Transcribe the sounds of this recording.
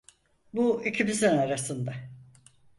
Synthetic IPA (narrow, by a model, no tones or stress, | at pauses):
buicʰibizinaɾasɯnd̪a